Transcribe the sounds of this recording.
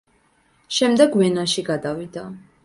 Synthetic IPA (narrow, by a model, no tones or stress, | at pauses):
ʃɛmd̪ɛɡwɛnaʃiɡad̪avid̪a